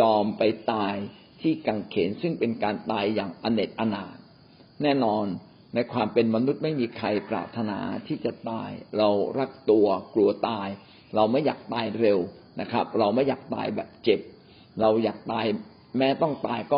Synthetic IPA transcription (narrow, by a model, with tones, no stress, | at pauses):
jɔː˧mpa˧jt̪aː˧j | t̪ʰiː˥˩ka˨˩ŋkʰeː˩˦nsɯ˥˩ŋpe˧nkaː˧nt̪aː˧jːaː˨˩ŋʔa˧ne˨˩t̪̚ʔa˧naː˨˩t̪̚ | nɛː˥˩nɔː˧nː | a˧jkʰwaː˧mpe˧nma˧nu˦˥t̪̚ma˥˩jmiː˧kʰɾa˧jpɾa̰ː˨˩p̚t̪ʰa˧na̰ː˩˦t̪ʰiː˥˩t͡ɕa˨˩t̪a̰ː˧jɾa˧wɾa˦˥k̚t̪u˧ɐklu˧ɐt̪aː˧j | ɾa˧wma˥˩jːaː˨˩k̚t̪aː˧jɾe˧wna˦˥kʰa˦˥p̚ɾa˧wma˥˩jːaː˨˩k̚t̪a̰ː˧jbɛː˨˩p̚t͡ɕe˨˩p̚ | ɾa˧wjaː˨˩k̚t̪aː˧j | mɛː˦˥t̪ɔ˥˩ŋt̪aː˧jkɔː˥˩